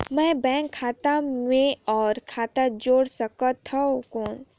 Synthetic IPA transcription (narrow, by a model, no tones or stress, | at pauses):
mɛ̃ːbɛ̃ːŋkʰːaːt̪amẽɔːɾkʰaːt̪ad͡ʒoːɽsəkət̪ʰːaokoːn